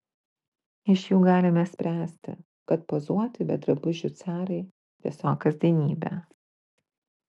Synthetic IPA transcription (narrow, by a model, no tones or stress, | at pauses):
ɪʃʲjuːɡɑːlʲɪmʲɛsʲpʲɾʲæːsʲt̪ʲɪ̰ | kɐt̪pozuɔt̪ʲɪbʲɛ̰d̪ɾɐbʊʒʲʊt̪sʲæːɾɐɪ | ʋʲɪsɔːkɐzʲd̪ʲiɛnʲiːbʲæ̰